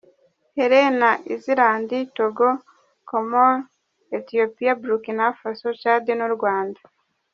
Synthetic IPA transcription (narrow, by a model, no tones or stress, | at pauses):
heɾenaʔiziɾaːnditoɡo | komoɾ | etijopiabuɾukinafasot͡ʃadinuɾɡwaːndḁ